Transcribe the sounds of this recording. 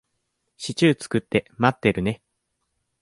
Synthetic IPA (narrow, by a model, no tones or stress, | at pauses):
ɕit͡ɕɨːt͡sɨ̥kɯ̟t̪ːe̞mat̪ːe̞ɾɯ̟ne̞